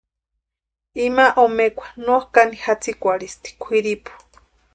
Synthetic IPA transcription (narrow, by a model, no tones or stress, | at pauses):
imaʔomekʷḁnohkanihat͡sʰikʷaɾist̪i̥kʷʰiɾipu̥